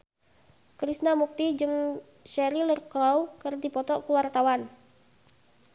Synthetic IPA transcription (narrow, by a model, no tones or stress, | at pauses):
kɾisnamuk̚t̪id͡ʒɨŋ | ʃɛɾilərkɾɔwkərdipɔt̪ɔʔkuwart̪awan